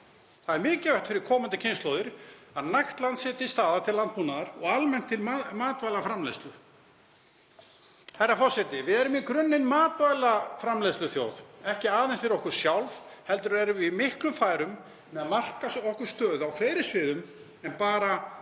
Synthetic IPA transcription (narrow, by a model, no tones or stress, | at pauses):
θaðɛɾmɪːcɪvɛht̪fɪɾɪɾ̥kʰɔːmant̪ɪcʰɪnst̪loːwðɪɾ̥ | aðnajxt̪lant̪sɪːt̪ɪist̪aːðat̪ʰɪllant̪̚punaðaɾɔɣalmɛn̥t̪ʰːɪlamaːt̪vaːjlafɾamlest̪lʏ | hajrːafɔrsɛt̪ɪvɪðɛɾʏmikʰɾʏnːɪnmaːt̪vajlafɾamlest̪lʏθjoːwðɛhcɪaːðɛnsfɪɾɪɾɔhkʏɾ̥sjawlvhɛlt̪ʏɾvɛːɾʏimɪhklʏmfaːjɾʏm | mɛðamar̥kasɔhkʏɾ̥st̪œːðawfleːjɾɪsvɪːðʏm | ɛnpaːɾa